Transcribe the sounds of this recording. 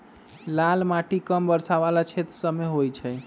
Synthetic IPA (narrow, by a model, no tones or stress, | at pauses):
lalmaʈikəmbəɾsaβalat͡ʃʰet̪ɾəsəmeɦojt͡ʃʰɛ